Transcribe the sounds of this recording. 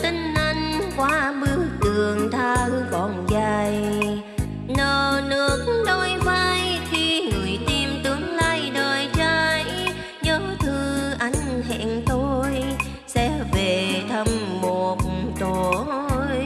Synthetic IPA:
t̪ï˧ŋ̟ʔa˧jŋ̟kwaː˨˦ɓɨ˧˦ək̚t̪ɨ˨˩əŋt̪ʰaː˧wkɔ˧˨˩nzaː˧j | nəː˨˩˨nɨ˧˥ək̚ɗo˧jva˧jt̪ʰi˧ŋɨ˨˩əjt̪i˧mt̪ɨ˨˦əŋlaː˧jɗəː˨˩jt͡ɕa˧j | ɲɔ˨˦t̪ʰɨ˧ʔa˧˩jŋ̟hɛ̰˧˨ŋt̪o˧j | sɛ̰˧˥ve˨˩t̪ʰə˧mːo˨˩t̚t̪o˨˩j

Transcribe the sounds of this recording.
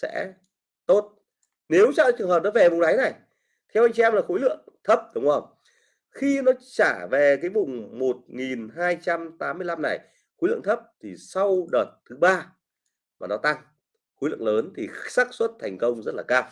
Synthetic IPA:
sɛ̰˧˥ | t̪o˦˥t̚ | ne˨˦wt͡ɕa̰˧˨˩t͡ɕɨ˨˩əŋɦəː˨˩p̚nɔ˨˦ve˨˩vʊ˨˩ŋ͡mɗa˨˦jna˨˩j | t̪ʰɛ˧wa˧jŋ̟t͡ɕi˧ɛ˧mlaː˨˩xo˨˦jlɨ̰˧˨əŋt̪ʰə˦˥p̚ɗə˨˦wŋ͡mʔə˧˩w | xi˧nɔ˨˦t͡ɕaː˧˩ve˨˩kaː˨˦jvʊ˨˩ŋ͡mmo˨˩t̚ŋi˨˩nɦaː˧jt͡ɕa˧mt̪aː˨˦mːɨ˧əjla˧mna˨˩j | xo˨˦lɨ̰˧˨əŋt̪ʰə˦˥p̚t̪ʰi˨˩sa˧wɗəː˨˩t̚t̪ʰːɨ˨˦ɓaː˧ | maː˨˩nɔ˨˦t̪a˧ŋ | xo˨˦jlɨ̰˧˨əŋləː˨˦nt̪ʰi˨˩saː˦˥k̚swə˦˥t̚t̪ʰɛ˨˩jŋ̟kə˧wŋ͡mzə˦˥t̚laː˨˩kaː˧w

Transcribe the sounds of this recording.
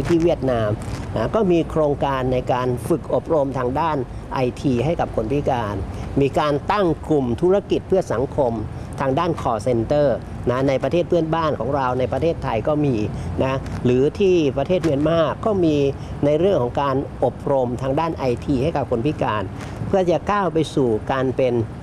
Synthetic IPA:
t̪ʰiː˥˩wi˥˩ət̪̚naː˧mna˦˥kɔː˥˩miː˧kʰɾoː˧ŋkaː˧nːa˧jkaː˧nfɯ˨˩k̚ʔo˨˩p̚ɾo˧mt̪ʰaː˧ŋdaː˥˩n | ʔa˧jt̪ʰiː˧ɦa˥˩jka˨˩p̚kʰo˧npʰi˦˥˩kaː˧nmiː˧kaː˧nt̪a˥˩ŋklu˨˩mt̪ʰu˦˥ɾa˧˥ki˨˩t̪̚pʰɯ˥˩ɐsa˩˦ŋkʰo˧m | t̪ʰaː˧ŋdaː˥˩nkʰɔː˧˩se˧nt̪ɤː˥˩ | na˦˥na˧jpɾa˧t̪ʰeː˥˩t̪̚pɯ˥˩ənbaː˥˩nkʰɔː˩˦ŋɾa˧wna˧jpɾa˧t̪ʰeː˥˩t̪ʰːa˧jkɔː˥˩miː˧na˦˥ɾɯː˩˦t̪ʰiː˥˩pɾa˧t̪ʰeː˥˩t̪̚mi˧ənmaː˥˩kːɔː˥˩miː˧ | na˧jɾɯ˥˩əŋkʰɔː˩˦ŋkaː˧nʔo˨˩p̚ɾo˧mt̪ʰaː˧ŋdaː˥˩nʔa˧jt̪ʰiː˧ha˥˩jka˨˩p̚kʰo˧npʰi˦˥kaː˧n | pʰɯ˥˩ɐt͡ɕa˨˩kaː˥˩wpa˧jsuː˨˩kaː˧npe˧n

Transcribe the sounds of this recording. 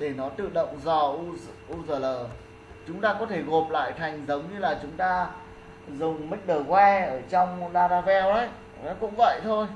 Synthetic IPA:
ɗe˧˩nɔ˨˦t̪ɨ̰˧˨ɗə̰˧˨wŋ͡mzɔ˧˩ʔʔu˧zəː˧˩ləː˧˩ | t͡ɕʊ˨˦ŋ͡mt̪aː˧kɔ˨˦t̪ʰe˧˩ɣo˨˩p̚la̰ː˧˨jt̪ʰa˨˩jŋ̟zə˨˦wŋ͡mɲɨ˧laː˨˩t͡ɕʊ˨˦ŋ͡mt̪aː˧ | zʊ˨˩ŋ͡mmə˦˥t̚ɗəː˨˩kwɛ˧ʔəː˧˩t͡ɕɔ˧wŋ͡mɗaː˧ɾaː˧vɛ˧wʔə˨˦j | ɔ˨˦kʊ̰˧˥ŋ͡mvə̰˧˨jt̪ʰo˧j

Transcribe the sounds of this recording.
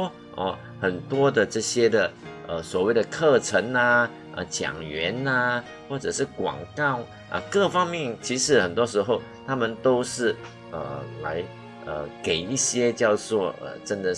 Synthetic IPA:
ʔə̰˧ | xə˨˩nt̪wɔ˥d̪ə˨ʈ͡ʂɤ˥˩ɕjɛ˥d̪ə˨ʔə˧˩swɔ˨˩we˥˩ɪd̪ə˩kʰɤ˥˩ʈ͡ʂʰə˧˥ŋə˧ | ʔə̰˧t͡ɕjɑ̰˨˩ŋɥɛ˧˥nə˧ | xwɔ˥˩ʈ͡ʂɤ˨˩ʂɻ̩˥˩kwɑ̰˨˩ŋkɑ˥˩ʊ | ʔə̰˧kɤ˥˧fɑ˥ŋmjɛ˥˩nt͡ɕʰi˧˥ʂɻ̩˧˥xə˨˩nt̪wɔ˥ʂɻ̩˧˥xo˥˩ʊ | t̪ʰa˥mə˨nt̪o˥ʊʂɻ̩˥˩ | ə˩la˧˥ɪ | ə˨˩ke˨˩ɪi˥˩ɕjɛ˥t͡ɕjɑ˥˧ʊt͡swɔ˥˩ə̰˨˩ʈ͡ʂə˥nd̪ə˨

